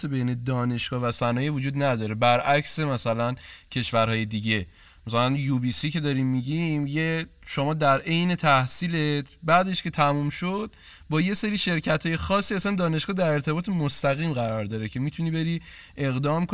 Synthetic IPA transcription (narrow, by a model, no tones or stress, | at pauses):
t̪ʰebejne̞d̪ɒːne̞ʃɡ̥ɒːvæsænɒːjivod͡ʒuːd̪næd̪ɒːɾe̞bæɾʔæcsemæsælæncʰe̞ʃvæɾɦɒːje̞d̪iːɟe̞ | mæsælænjubiːsice̞d̪ɒɾimːiɟimjeʃomɒːd̪æɾʔe̞jne̞t̪ʰæhsiːlet̪ʰbæd̪eʃkcʰe̞t̪ʰæmuːmʃod̪̥̚ | bɒːje̞seɾiːʃe̞ɾcʰæt̪ʰhɒːje̞xɒːsːiːæsænd̪ɒːneʃɡ̥ɒːd̪æɾe̞ɾt̪ʰe̞bɒːt̪ʰemost̪æɣiːmɣæɾɒːɾd̪ɒːɾecʰe̞miːt̪ʰuniːbe̞ɾiː | ʔe̞ɣd̪ɒːmko